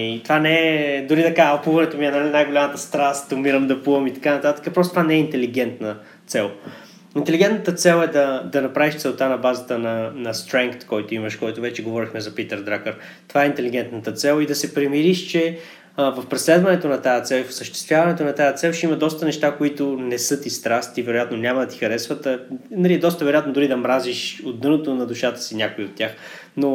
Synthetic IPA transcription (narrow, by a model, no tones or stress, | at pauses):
it̪ovanɛd̪ʊɾid̪ɐkapuvɐnɛt̪omiɛnanajɡolʲamət̪əst̪ɾast̪ʊmiɾəmd̪ɐpuəmit̪ɐ̥kanɐt̪at̪ə̥kəpɾɔst̪t̪vanɛɛint̪ɛliɡ̟ɛnt̪nə | t̪sɛlˠ | int̪ɛliɡɛnt̪nət̪ət̪sɛlˠɛd̪ɐd̪ɐnɐpɾaviʃt̪sɛlˠt̪anɐbazət̪ənɐnɐst̪ɾɛŋkt̪kɔjt̪ʊiməʃkɔjt̪ʊvɛt͡ʃɛɡovɔɾixmɛzɐpit̪əɾd̪ɾakəɾ | t̪ovaɛint̪ɛliɡ̟ɛnt̪nət̪ət̪sɛlˠid̪ɐsɛpɾɛmiɾiʃt͡ʃɛ | vəfpɾɛslɛd̪vɐnɛt̪onɐt̪ajət̪sɛlˠifo̥səʃt̪ɛ̥st̪vʲjavɐnɛt̪onɐt̪ajət̪sɛlˠt͡ʃimɐd̪ɔst̪ənɛʃt̪akoit̪ʊnɛsɤt̪ist̪ɾast̪ivɛɾʊjat̪nonʲamɐd̪ɐt̪ixɐɾɛsvət̪ənɐliɛd̪ɔst̪əvɛɾojat̪nod̪ʊɾid̪ɐmɾaziʃod̪ːɤnot̪onɐd̪uʃat̪ə̥sinʲakoiot̪ːʲjax | no